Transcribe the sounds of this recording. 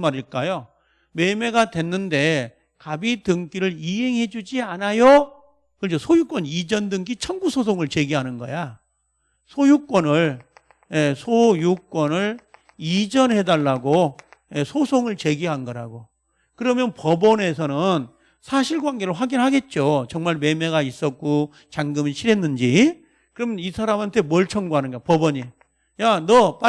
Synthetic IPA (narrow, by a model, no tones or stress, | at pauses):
maɾiɭk͈ajo | me̞me̞ɡadwe̞nːɯnde̞ | kabitɯŋɡiɾɯɭiɦe̞ŋɦe̞d͡ʑud͡ʑianajo | kɯɭd͡ʑosʰojuk͈wʌnid͡ʑʌndɯŋɡit͡ɕʰʌŋɡusʰos̬ʰoŋɯɭt͡ɕe̞ɡiɦanɯnɡʌ̰ja | sʰojuk͈wʌnɯɭ | je̞sʰojuk͈wʌnɯɭ | id͡ʑʌnhe̞daɭːaɡoje̞sʰosʰoŋɯɭt͡ɕe̞ɡiɦanɡʌɾaɡo | kɯɾʌmjʌnpʌbʌne̞sʰʌnɯn | sʰaɕʰiɭɡwanɡe̞ɾɯɭɸwaɡinɦaɡe̞t̚t͡ɕ͈ot͡ɕʌŋmaɭme̞me̞ɡais͈ʌt̚k͈o | t͡ɕaŋɡɯmiɕʰiɾe̞nːɯnd͡ʑi | kɯɾʌmjʌnisʰaɾamɦantʰe̞mʌɭt͡ɕʰʌŋɡoɦanɯnɡapʌbʌɲi | janʌpa